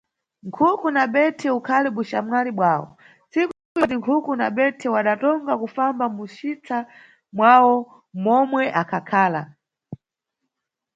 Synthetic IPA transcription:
ŋkʰukunaɓɛtʰɛukʰaliɓuʃamwaliɓwaːwɔ̰ | t͡siku | ujɔt̬iŋkʰukunaɓɛtʰɛwaɗatɔŋɡakufambamuʃit͡sʰa | mwawɔ | mɔmwɛʔakʰakʰaːla̰

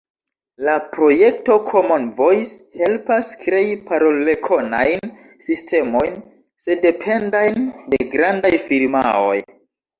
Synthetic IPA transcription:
lapɾo̞je̞k̚to̞kʰo̞monvo̞jshe̞lpaskɾeipaɾoe̞kʰo̞na̰jn | sistʰe̞mo̞jn | se̞de̞pʰe̞ndajnde̞ɡɾandajfiɾma̰o̞̰j

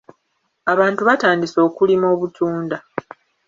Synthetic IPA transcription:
aβaːntuβataːndiso̞ːkulimo̞ːβutʰuːnda

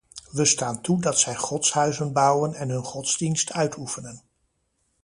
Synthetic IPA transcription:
ʋəstaːntudɑtsɛjχɔtsɦœɥzənbʌwənɛnɦɵnχɔtzdinstœɥtʰufənən

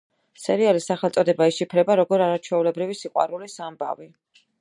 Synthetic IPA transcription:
sɛɾialisaχɛlt̪sʼɔd̪ɛbaiʃipʰɾɛbaɾɔɡɔɾaɾat͡ʃʰwɛulɛbɾivisiqʼwa̰ɾulisamba̰vi

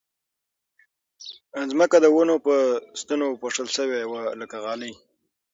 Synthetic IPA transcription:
ənzməkad̪əwənopəst̪ənopoʂəlʃəwewaləkaɣɑləj

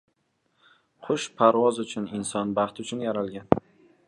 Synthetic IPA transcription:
qʰʊʃpʰaɾwɒzʊt͡ʃʰʊnɪnsɒnbɑχt̪ʊt͡ʃʰʊnjaɾalɡʲan

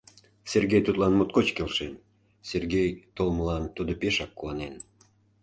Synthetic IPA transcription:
serɡʲejt̪ut̪lɑnmot̪̚kot͡ɕkelʃen | serɡʲejt̪olməlɑnt̪ud̪opeʃɑkːuɑnen

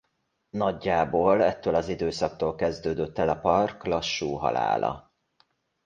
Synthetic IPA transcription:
nɒɟːaːboːlɛt̪ːøːlɒzid̪øːsɒk̚t̪oːlkɛzd̪øːd̪øt̪ːɛlɒpɒrklɒʃːuːɦɒ̰la̰ːlɒ̰

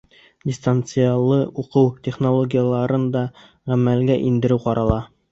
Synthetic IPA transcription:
dʲɪst̪ant̪sɨjalˠːɤuqɤwtʲeχnolˠoɡʲijalˠɑɾɤnd̪ɑ | ʁæmælɡæʔind̪ɘ̆ɾɘwqɑɾɑlˠɑ

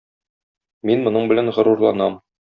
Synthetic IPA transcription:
minmŏnɤɴbɘ̆lænʁɤ̆ɾuɾlˠɑnɑm

